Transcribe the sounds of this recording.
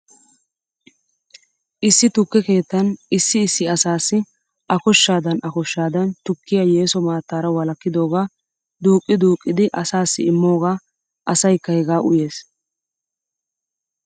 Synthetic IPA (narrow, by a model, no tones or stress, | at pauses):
ʔɪsːɪt̪ʊkːɛke̞ːt̪ːɐnɪsːɪːsːɪɐsaːsːɪ | ʔɐkɔʃːaːd̪ɐnɐkɔʃːaːd̪ɐnt̪ʊkːɪjajeːsɔmaːt̪ːaːɾɐwɐlɐkːɪd̪o̞ːɡaː | d̪uːkʼːɪd̪uːkʼːɪd̪ɪʔɐsaːsːɪ̰ɪmːo̞ːɡaː | ʔɐsɐjkːɐhɛɡaːʔʊje̞ːs